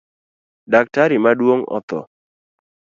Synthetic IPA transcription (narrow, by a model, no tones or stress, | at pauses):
dak̚taɾimadwoŋɔ̰t̪ɔ̰